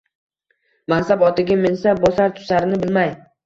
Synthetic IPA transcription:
mansabɒt̪ʰɪɡʲamɪnsabɒsaɾt̪ʰʊ̥saɾɪnɪbɪlmaj

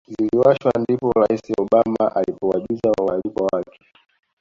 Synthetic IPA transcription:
ziliwaʃwandipɔɾaisiɔɓamaʔalipɔwaʄizawalikawakɛ̥

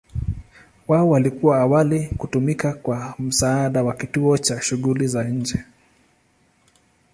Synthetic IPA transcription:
waɔwalikuwaːwalikutumikakwam̩saːɗawakituɔt͡ʃaʃuɣulizaɲ̩d͡ʒɛ

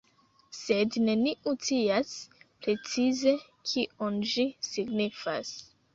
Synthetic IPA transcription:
se̞dne̞niʔutiaspɾe̞t͡size̞ | kʰiʔonʒisiɡnifa̰s

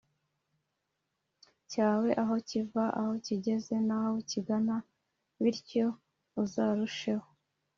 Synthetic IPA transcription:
caːwe̞ʔaɦo̞civaʔaho̞ciɟe̞ze̞nahawuciɡana | βiɾco̞ | uzaːɾuʃe̞ho̞

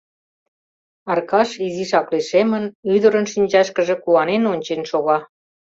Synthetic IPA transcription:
ɑrkɑʃiziʃɑkleʃemənyd̪əɾənʃinʲd͡ʑɑʃkəʒĕkuwɑnenonʲt͡ɕenʃoɣɑ

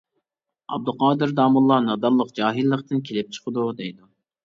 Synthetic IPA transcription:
ɑ̰b̚d̪uqʰɑːd̪ɨɾd̪ɑːmulˠːɑnɑd̪ɑlˠːəqd͡ʒɑːɦilːəqt̪ɨnkʲʰelɪp̚t͡ʃʰə̥qʰəd̪ud̪ejd̪u

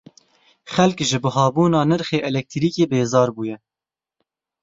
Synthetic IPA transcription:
xɛlkʒɨbɨɦɑːbuːnɑːnɨɾxeːʔɛlɛk̚t̪ʰiɾiːkeːbeːzɑːɾbuːjɛ

